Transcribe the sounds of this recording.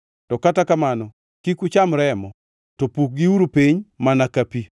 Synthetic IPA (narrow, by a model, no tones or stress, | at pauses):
tɔkatakamanɔ | kikut͡ʃamɾɛmɔ | topuk̚ɡiuɾopiɲmanakapi